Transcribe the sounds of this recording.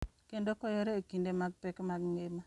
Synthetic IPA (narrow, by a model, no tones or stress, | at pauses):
kendokɔjɔɾɛekindemaɡ̚pɛkmaɡŋema